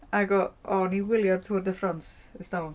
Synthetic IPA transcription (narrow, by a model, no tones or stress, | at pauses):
aɡɔɔniwɪljad̚tʰuːrdəfrɔns | əstal